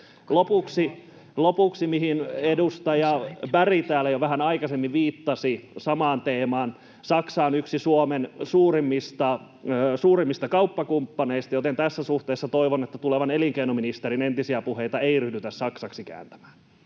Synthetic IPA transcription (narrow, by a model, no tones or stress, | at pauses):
lopuksi | lopuksimiɦinedust̪ɑjɑbærit̪æːlːæjoʋæɦænɑikɑsemːiʋʋiːt̪ːɑsisɑmɑːnt̪eːmɑːn | sɑksɑːnyksisuomensuːrimːist̪ɑː | suːrimːist̪ɑkɑupːɑkumpːɑneist̪ɑjot̪ent̪æsːæsuht̪eːsːɑt̪oiʋonet̪ːæt̪uleʋɑneliŋkeinominist̪eɾinent̪isiæpuheijt̪ɑeiryhdyt̪æssɑksɑksikæ̰ːnt̪æ̥mæ̥ːn